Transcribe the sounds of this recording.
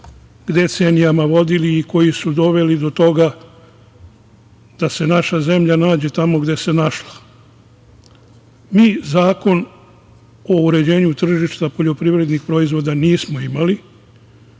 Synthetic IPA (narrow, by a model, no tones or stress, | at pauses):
ɡd̪e̞t̪senijamaʋo̞d̪iliːko̞jisud̪o̞ʋe̞lid̪o̞t̪o̞ɡa | d̪̥ase̞naʃaze̞mʎanaːd͡ʑe̞t̪amo̞ɡd̪e̞se̞naʃla | miːzaːko̞n | o̞uɾe̞d͡ʑe̞ːɲut̪r̩ʒiʃt̪apo̞ʎo̞pɾiʋɾe̞d̪nixpɾo̞izʋo̞ːd̪aniːsmo̞imali